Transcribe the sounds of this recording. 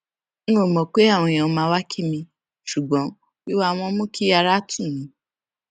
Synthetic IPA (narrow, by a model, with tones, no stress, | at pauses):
ñ̩˦o˦˨mɔ̃˨k͡pe˦a˦˨w̃ɔ̃˧j̃ã˨˧mãː˧wa˦kʰi˦mĩ˧ | ʃu˨ɡ͡bɔ̃˨˦ | wi˦wa˦˧w̃ɔ̃˧˦mũ˦kʰi˦a˧ɾa˦tʰũ˦˨nĩ˨˦